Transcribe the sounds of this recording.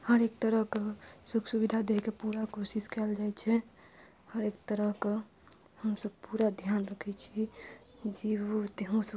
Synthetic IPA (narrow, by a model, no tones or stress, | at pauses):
həɾek̚t̪əɾəɦkesuksubid̪ʱad̪ekepuɾakosiskɛld͡ʒajt͡ʃʰɛ | həɾekt̪əɾəɦke | həmsəb̚puɾad̪ʱjanɾəkʰɛt͡ʃʰi | d͡ʒeot̪eɦũsə